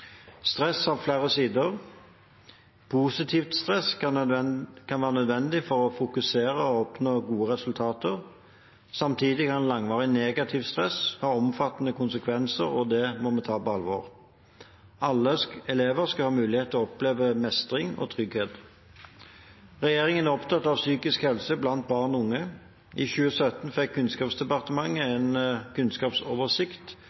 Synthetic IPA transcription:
st̪ʁɛsɑʋfleːʁəsiːd̪əʁ | pʰuːsɪt̪ʰiːft̪st̪ʁɛsɑ | kʰɑnʋæːʁənœd̪ʋɛnd̪ɪfɔʁɔfʊkʉseːɾəɔɔpnoːɡuːəʁɛsʉlt̪ʰɑːt̪əʁ | sɑmt̪ʰiːd̪ɪkʰɑnlɑŋʋɑːʁɪneːɡɑt̪ʰɪːʋst̪ʁɛshɑːɔmfɑt̪ːnəkʰʊnsəkʰʋɛnsə̰ʁɔd̪ɛmɔmɛt̪ʰɑːpɔɑlʋo̰ːʁ | ʔɑlːəskɛleːʋəʁskɑhɑːmʉːlɪheːt̪ʰːlɔɔpleːʋəmɛst̪ʁɪŋɔ̰ːt̪ʰʁʏɡheːt̪ | ʁɛjeːʁɪŋənæʁɔpt̪ʰɑt̪ːɑʋsyːkɪskhɛlsəblɑnt̪̚bɑːʁnʊŋːə | ʔiçʉːəsœt̪n̩fɛkʰːʉnskɑːpsd̪ɛpɑʁt̪əmɑŋːəɛnkʰʉnskɑːpsɔːʋəʁsɪkt̪

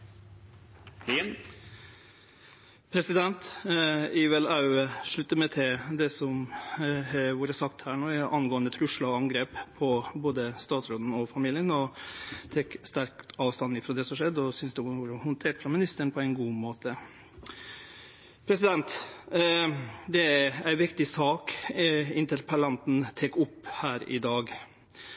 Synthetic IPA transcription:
pʰɾɛsɪd̪ɛnt̪ | iːʋɛlɑʉʂɭʉt̪ːəmɛt̪ʰɪd̪ɛsɔm | ʋuːɾəsɑkt̪hæːɳoːæʔɑnɡoːənd̪ət̪ʰɾʉʂɭɑɔɑŋɡɾeːppʰɔboːd̪əst̪ɑːt̪sɾoːd̪n̩ɔfɑmiːlɪənɔt̪ʰɛkst̪æɾk̪ɑːʋst̪ɑnɪfɾɔd̪ɛsɔmʂɛd̪ːɔsʏnsd̪ɛʋuːɾəhʊnt̪ʰeːʈfɾɑmɪnɪst̪əɳ̩pʰɔæɪnɡuːmoːt̪ʰə | pʰɾɛsɪd̪ɛnt̪ | d̪ɛææɪʋɪkt̪ɪsɑːk | ɪnt̪əɾpʰɛlɑnt̪n̩t̪ʰɛːkʊpːhæːɾɪ̰d̪ɑːɡ

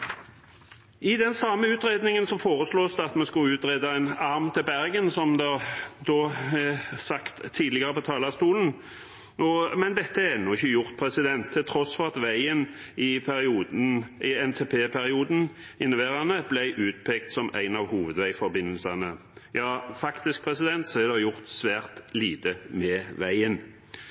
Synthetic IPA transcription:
ɪd̪ɛnsɑmːəʉːt̪ɾeːd̪nɪŋənsɔmfoːʁəsloːsd̪ɛɑt̪mɛskʉʉːt̪ɾeːd̪ɑæɪnɑʁmt̪ʰɪlbæʁɡənsɔmd̪ɛæd̪ɔɛsɑkt̪ʰːiːd̪lɪɡɑʁəpɔt̪ʰɑːlɑst̪uːln̩ | ɔmɛnd̪ɛt̪ːəɛnːʊɪçːəjʊʁt̪̚pʰɾɛsɪd̪ɛnt̪ʰːɪlt̪ʰɾɔsfɔʁɑt̪ʋæɪən | ɪpʰæɾɪuːd̪n̩ɪɛnt̪ʰeːpʰeːpʰæɾɪuːd̪n̩ | ɪnʊʋeːɾɑnəblæɪʔʉːt̪̚pʰɛkt̪sɔmæ̰ɪnɑʋhuːʋəd̪ʋæɪfɔɾbɪnːəlsɑnə | jɑːfɑkt̪ɪsk̚pʰɾɛsɪd̪ɛnt̪sɔɛd̪ɛɑjʊʁt̪sʋæːʁt̪liːt̪əmɛʋæɪən

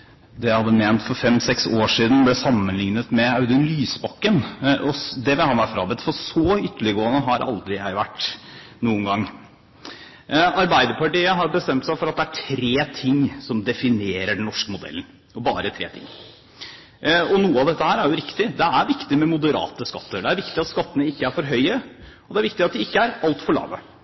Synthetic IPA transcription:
d̪ɛæhɑd̪ːəmeːnt̪fɔɾfɛmsɛksoːʂiːd̪n̩blɛsɑmːənlɪŋnət̪mɛɑʉd̪ʉnlyːsbɑkːənʔɔd̪ɛʋɪhɑnʋæɾfɾɑ̰ːbɛt̪ːfɔsɔʏt̪ːəɭɪəɡoːənəɦɑɾʔɑ̰ld̪ɾɪjæ̰ɪʋæʈː | nuːənɡɑŋː | ɑɾbæɪd̪əɾpɑʈiːəɦɑɾbəst̪ɛmt̪sæɪfɔɾɑt̪̚d̪ɛæʈʰɾeːt̪ʰɪŋːsɔmd̪ɛfɪneːɾəɖɛnnɔʂkəmʊd̪ɛ̰lən̩ | ɔbɑ̰ːɾət̪ʰɾḛːt̪ʰɪ̰ŋː | ɔnuːəɑʋd̪ɛt̪ːəhæːɾæɾjʊɾɪkt̪ɪd̪ɛæɾʋɪkt̪ɪmɛmʊd̪əɾɑ̰ːt̪əskɑt̪ːəɾɖ̪ɛæɾʋɪkt̪ɪɑt̪skɑt̪ːənəɪkːəæɾfɔɾɦœʏəɔd̪ɛæɾʋɪk̚t̪ɪɑt̪̚d̪ɪɪkːəæɾɑlt̪fɔɭɑ̰ːʋə

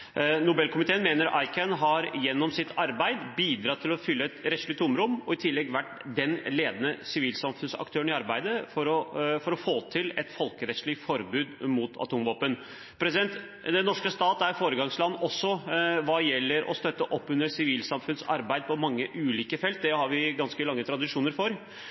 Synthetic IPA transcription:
nʊbɛlkʰʊmɪt̪ʰeːənmeːnəɾʔɑ̰ɪkʰənɦɑɾjɛnːɔmsɪt̪ʰɑɾbæɪd̪biːd̪ɾɑːt̪ʰɪlɔfʏlːəɛt̪ɾɛt̪ʂɭɪʊmɾʊmɔɪt̪ʰɪlːɛɡʋæʈd̪ɛnleːd̪ənəsɪʋiːlsɑmfʉnsɑ̰kt̪ʰøːəɳɪɑɾbæɪd̪əfɔɾɔfɔɾɔfoːt̪ʰɪlɛt̪fɔlkəɾɛt̪sʂɭɪfɔɾbʉːd̪mʊt̪ʰɑ̰t̪ʰuːmʋoːpən | pʰɾɛsɪd̪ɛnt̪ | d̪ɛnːɔʂkəst̪ɑːt̪æɾfoːɾəɡɑŋslɑnʔɔsːɔʋɑːjɛlːəɾʔɔ̰st̪œt̪ːəʔɔpːʉnːəsɪʋiːlsɑmfʉnsɑ̰ɾbæɪd̪̚pʰɔmɑŋːəʔʉːliːkəfɛlt̪̚d̪ɛhɑɾʋɪɡɑnskəlɑŋːət̪ʰɾɑd̪ɪʂuːnəɾfɔɾ

